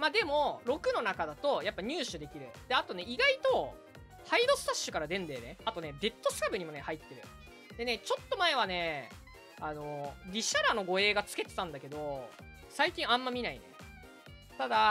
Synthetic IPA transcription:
mad̪e̞mo̞ɾo̞kɯ̟no̞nakad̪at̪o̞japːaɲ̟ɨːɕɨd̪e̞kʲiɾɯ̟d̪̥e̞at̪o̞ne̞ʔiɡait̪o̞ | haid̪o̞sɨ̥t̪aɕːɨ̥kaɾad̪ẽ̞nd̪e̞ːne̞at̪o̞ne̞be̞t̪ːo̞sɨ̥kabɯ̟ɲ̟imo̞ne̞hait̪ːe̞ɾɯ̟ | d̪̥e̞ne̞t͡ɕo̞t̪ːo̞mae̞β̞ane̞ | ano̞ɾʲiɕaɾano̞ɡo̞e̞ːɡat͡sɨ̥ke̞t̪e̞t̪ãnd̪ake̞d̪o̞ | saikʲĩɰ̃ãmːamʲinaḭne̞̰ | t̪ad̪a

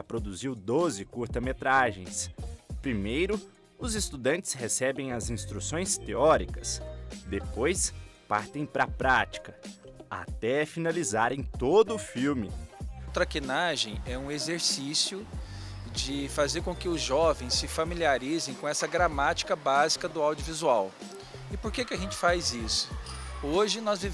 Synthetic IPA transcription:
ɐpɾod̪uziwd̪ozɪkuɾt̪ɐmet̪ɾaʒḛ̃j̃spɾimejɾʊ | ʊzɪst̪ud̪ɐ̃nt͡ʃɪ̥shesɛbẽj̃ɐzĩst̪ɾusõj̃st̪eɔɾikɐsd̪epojspaɾt̪ẽj̃pɾɐpɾat͡ʃi̥kɐ | a̰t̪ɛfinalizaɾẽj̃t̪od̪ʊːfiwmɪt̪ɾakinaʒẽj̃ɛũezeɾsisjʊ | d͡ʒɪfazeɾkõkɪʊzʒɔvẽj̃ssɪfamiliaɾizẽj̃kõɛsɐɡɾamat͡ʃi̥kɐbazikɐd̪ʊawd͡ʒiuvizuaw | ɪpoɾkekɪaʒẽnt͡ʃɪ̥fajzisʊ̥oʒɪnɔzviv

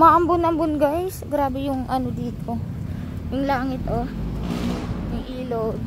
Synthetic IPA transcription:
mɐʔɐmbʊnɐmbʊnɡajsɡɾaːbɛjʊŋʔɐnod̪iːt̪o̞ | jʊŋlaːŋɪt̪ʔo | jʊŋʔiːlod̪̚

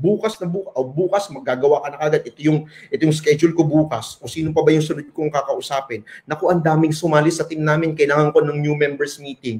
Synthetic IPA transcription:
buːkɐsnɐbuːkʔobuːkɐsmɐɡ̚ːaːɡɐwakɐnɐkɐːɡad̪ʔɛt̪o̞jʊŋʔʔɛt̪ojʊŋskɛd͡ʒʊlkobuːkɐsʔo̞ːsiːnopɐbajʊŋsʊnod̪̚koŋkɐkɐʔʊsaːpɪnːɐko̞ʔɐnd̪aːmɪŋsʊmaːlɪsɐt̪ɪmnaːmɪnkɐʔɪlaːŋɐŋko̞nɐŋnjumɛmbɛɹsmiːt̪ɪŋ

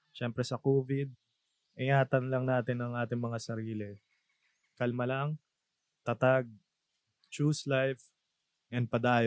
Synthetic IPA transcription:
ʃɛmpɾɛsɐkoːvɪd̪̚ | ʔɪŋaːt̪ɐnlɐŋnaːt̪ɪnɐŋʔaːt̪ɪŋmɐŋasɐɾiːlɪ | kɐlmɐlaŋ | t̪ɐt̪aɡ̚ | t͡ʃuːslajf | ʔɛnd̪̚pɐd̪aːj

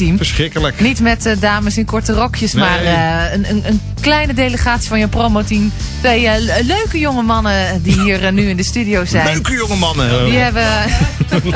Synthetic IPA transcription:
imfəsχɪkələknitmɛtədaːməsɪnkɔɹtərɔkʰjəsmaːrənənən | klɛjnədeləχaːtsifɔnjəwpromowtim | tʋejløɥkəjoŋəmɑnədiɦiːərnyɪndəstydijowsɛjkəjoŋəmɑnəʋiɦɛbə

